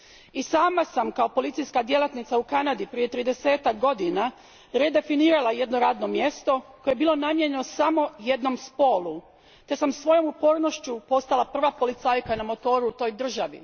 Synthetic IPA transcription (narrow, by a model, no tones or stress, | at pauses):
isaːmasamkao̞po̞lit̪sijskad̪je̞lat̪nit̪saukanad̪ipɾije̞t̪ɾiːd̪e̞se̞ːt̪ak̚ɡo̞d̪ina | ɾed̪e̞finiːɾalˠaje̞d̪no̞ɾaːd̪no̞mje̞st̪o̞ko̞jebiːlo̞namje̞ɲenosamo̞je̞d̪no̞mspo̞ːlˠu | t̪e̞samsʋo̞jo̞mupo̞ːɾno̞ʃt͡ɕupo̞st̪alˠapr̩ʋapo̞lit̪saːjkanamo̞t̪o̞ːɾuːt̪o̞ːjd̪r̩ʒaʋḭ